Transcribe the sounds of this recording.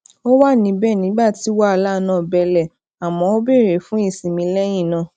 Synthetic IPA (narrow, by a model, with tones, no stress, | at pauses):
o˦wa˦nĩ˧˦bɛ˦˨nĩ˨˦ɡ͡ba˦˨ti˨˦wa˦a˧la˦˧nãː˦˨bɛ˧lɛ˨ | a˨mɔ̃˨˧o˦be˦˨ɾe˨fũ˨˦i˦˨sĩ˨mĩ˧˦lɛ˦j̃ĩ˦˨nã˨˦˨